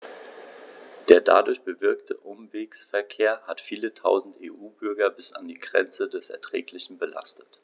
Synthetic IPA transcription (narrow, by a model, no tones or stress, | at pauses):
d̥eːɐda̰dʊɐçb̥əvɪɐktʰəʔʊmveːksfɛɐkʰeːɐhatfiːlətʰaʊzn̩teːʔuːbʏɐɡɐbɪsa̰ndiːɡʁɛ̰nt͡sədɛsɛ̰ɐtʁ̥ɛ̰ːklɪçn̩bəla̰stət